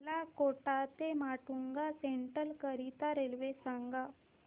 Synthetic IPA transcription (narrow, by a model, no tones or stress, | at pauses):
lakoʈat̪emaʈuŋɡaseɳʈəlkəɾit̪aɾelʋesaŋɡa